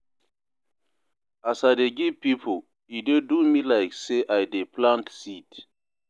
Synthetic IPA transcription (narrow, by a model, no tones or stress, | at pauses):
asadeɡipipʰo | idedumilaɪkseʔajdeplãntsit